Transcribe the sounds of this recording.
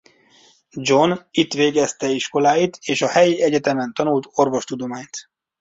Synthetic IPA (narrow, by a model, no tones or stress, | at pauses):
d͡ʒonit̪ʋeːɡɛst̪ɛiʃko̞laːjit̪eːʃɒhɛjiɛɟɛt̪ɛmɛnt̪ɒnult̪o̞rʋo̞ʃt̪ud̪o̞maːɲt̪